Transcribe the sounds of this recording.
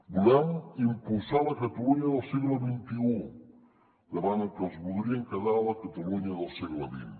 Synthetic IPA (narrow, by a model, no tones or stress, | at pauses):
bulamimpulsaləkat̪aluɲaðəlˠsiɣləβint̪iu | d̪əβanəkəlˠzβulˠɾiəŋkəðaləkat̪aluɲaðəlˠsiɣləβḭn